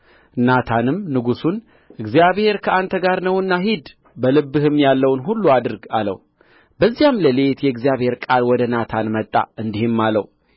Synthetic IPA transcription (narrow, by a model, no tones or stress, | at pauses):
nat̪ʰanɨmnɨɡusun | ʔɨɡzijaβhe̞ɾkʰəʔant̪ʰəɡaɾnəwɨnːaɦid̪ | bəlɨbːɨhɨmːjalːəwnɦulːuad̪ɨɾɡalə̰w | bəzːijamləle̞t̪jɛɨɡzijaβhe̞ɾkʼalwɔd̪ənat̪ʰanmət̪ʼːa̰ɨnd̪ihɪmːalə̰w